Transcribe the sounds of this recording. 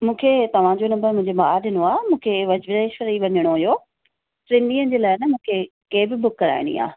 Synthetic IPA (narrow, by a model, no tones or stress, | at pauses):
mũːkʰet̪ɐʋ̤ãd͡ʑonɐmbəɾmʊ̃ɪ̃ɲd͡ʑemaːɗɪnoaːmũːkʰeʋɐd͡ʑʋɪdeːʃʋəɾiʋɐɲəɽ̃oɐjo | ʈɾɪ̃nɖiːənd͡ʑeːlaːɪnɐmũːkʰe | keɦɪbɪbʊkːɐɾa̰ːɪɽ̃ḭa̰ː